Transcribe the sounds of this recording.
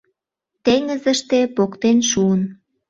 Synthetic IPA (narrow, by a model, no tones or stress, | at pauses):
t̪eŋəzəʃt̪epokt̪enʃuən